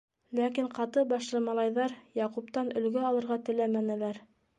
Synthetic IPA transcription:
lækiɴqɑt̪ɤbɑʃlˠɤmɑlˠɑjðɑɾjɑqup̚t̪ɑnɵ̆lɡɘɑlˠɤ̆ɾʁɑt̪ɘ̆læmænælæɾ

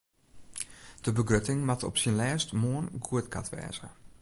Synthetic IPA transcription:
d̥əbəɡrøtɪŋmatɔ̰psinlɛːstmoənɡuətkʰa̰tʋɛ̰ːz̥ə

